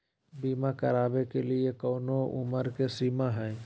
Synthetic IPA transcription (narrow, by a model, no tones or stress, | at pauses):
biːmakəɾaːbekeliekɔːnoʔʊ̰məɾkesiːmaɦɛ̃ː